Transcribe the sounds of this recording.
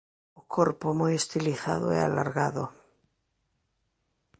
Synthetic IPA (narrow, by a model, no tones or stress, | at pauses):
okʰoɾpomujest̪iliθa̰ðoɛ̰alaɾɣaðo